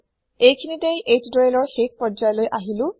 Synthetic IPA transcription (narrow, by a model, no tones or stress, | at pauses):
ejkʰinitejʔejtdɔelɔɹxex̚pɹɔd͡ʒajɔlojʔaɦilʊ̃